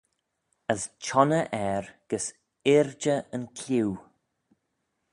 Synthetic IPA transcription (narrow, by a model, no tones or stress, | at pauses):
əzt͡ʃɔnəʔɛɹɡ̥əs | ɪɹd͡ʒəənkʰlʲuw